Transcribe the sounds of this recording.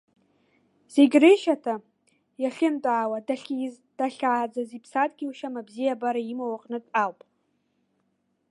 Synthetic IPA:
z̥eɡʲreʃatʰa | jaχʲɪmtʼaːwadaɬʲ | d̥aɬʲaːd͡zazipʰsatʼɡʲiuʃamabzijabaɾaimawaqʼnɨtʼawpʼ

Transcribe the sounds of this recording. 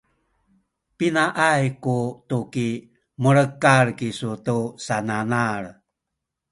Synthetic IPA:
pinaʔajkutuki | məɭəkaɭkisutusananaɾ

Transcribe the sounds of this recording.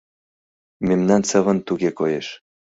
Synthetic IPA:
memnɑnsə̆βə̆nt̪uɣekojeʃ

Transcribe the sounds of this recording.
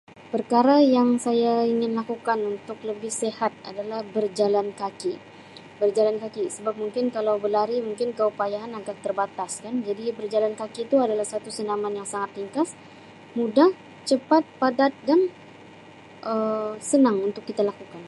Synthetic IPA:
pərkaɾajaŋsajaiŋɪnlakukanunt̪ʊk̚ləbɪhsehat̪̚a̰dalahbərd͡ʒalankaki | bərd͡ʒalankakisəbap̚muŋkɪnkalawbəlaɾimuŋkɪnkəupajaːnaɡak̚t̪ərbat̪askand͡ʒadibərd͡ʒalankakit̪uadalahsat̪usənamanjaŋsaŋat̪liŋkas | mudah | t͡ʃəpat̪̚padat̪̚dan | ʔəsənaŋunt̪ʊkːit̪alakukan

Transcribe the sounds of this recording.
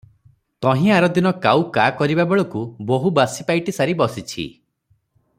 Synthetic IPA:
t̪ɔɦĩaɾɔd̪inɔkawkakɔɾibabeɭɔkuboɦubasipajʈisaɾibɔsit͡ʃʰḭ

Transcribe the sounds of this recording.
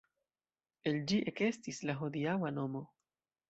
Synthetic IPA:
e̞ld͡ʒiʔeke̞stislaɦodiawano̞mo̞

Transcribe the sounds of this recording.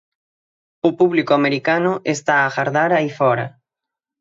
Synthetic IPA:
ʊpuβlikoameɾikanʊʔest̪aːxaɾðaɾaifɔɾa̰

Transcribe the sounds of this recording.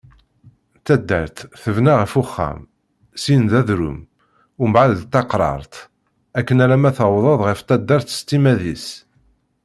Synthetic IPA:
θæd̪ːæ̰ɾt̪θəvnaʁəfuχːæ̰m | sinðæðɾṵm | ʊmbʕaðt̪ːɑqɾˤɑ̰ɾˤt̪ | ækːənæɾæmæθəwðˤɑðˤʁəft̪æd̪ːæɾθə̥st̪ːimæðis

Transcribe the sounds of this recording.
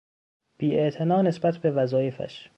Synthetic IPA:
b̥iːeʔt̪ʰe̞nɒːne̞sbæt̪ʰbe̞væzɒːjefæ̰ʃ

